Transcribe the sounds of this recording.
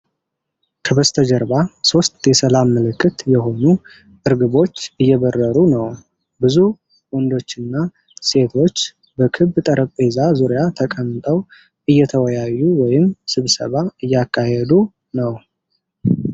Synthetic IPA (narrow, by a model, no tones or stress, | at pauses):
kʰəβəst̪ʰəd͡ʒəɾβaso̞st̪ʼjɛsəlamːɨlɨkʼːɨt̪jɛɦo̞nu | ʔɨɾɡɨβo̞t͡ʃːɨjːɛβərːəɾunəw | bɨzu | wɔnd̪o̞t͡ʃːɨnːa | se̞t̪ʰo̞t͡ʃː | bəkʰɨβt̪ʼəɾəpʼe̞zazuɾijat̪ʰəkʼənt̪ʼəw | ʔɨjːɛt̪ʰəwɔjajːuwɔjɪmsɨβsə̰βaɨjːakːahed̪u | nəw